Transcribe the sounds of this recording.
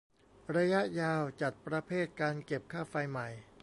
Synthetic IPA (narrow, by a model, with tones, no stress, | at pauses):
ɾa˧ja˦˥ʔjaː˧wt͡ɕa˨˩t̪̚pɾa˧pʰeː˥˩t̪̚kaː˧nke˨˩p̚kʰaː˥˩fa˧jma˨˩j